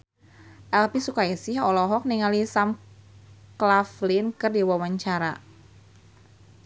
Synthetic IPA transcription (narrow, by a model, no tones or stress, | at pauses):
ʔɛlpisukaisɪhɔlɔɦɔk̚niŋalisam | klaflinkɨrdiwawaɲt͡ʃaɾa